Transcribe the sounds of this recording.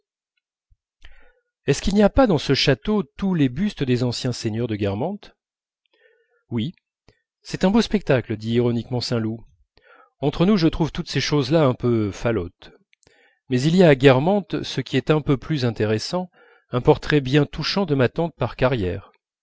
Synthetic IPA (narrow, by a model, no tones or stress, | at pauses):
ɛskʲilniapad̪ɑ̃səʃat̪ot̪ulebyst̪əd̪ezɑ̃sjɛ̃seɲœʁd̪əɡʲɛʁmɑ̃t̪ | wi | sɛt̪ɛ̃bospɛk̚t̪akləd̪iːʁɔnikmɑ̃sɛ̃lu | ɑ̃t̪χənuʒət̪χuvt̪ut̪seʃozlaɛ̃pøfalɔt̪ | mɛzilijaːɡʲɛʁmɑ̃t̪səkʲiɛt̪ɛ̃pøplyzɛ̃t̪eʁesɑ̃ | ɛ̃pɔʁt̪χɛbjɛ̃t̪uʃɑ̃d̪əmat̪ɑ̃t̪̚paʁkaʁjɛːʁ